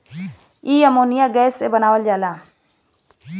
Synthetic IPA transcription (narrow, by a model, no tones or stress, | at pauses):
iːəmoːnijaɡɛːsːebənaːwəld͡ʒaːlaː